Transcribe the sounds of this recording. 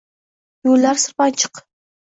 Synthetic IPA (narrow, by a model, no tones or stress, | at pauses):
jollːaɾsɨɾpant͡ʃʰɨ̥q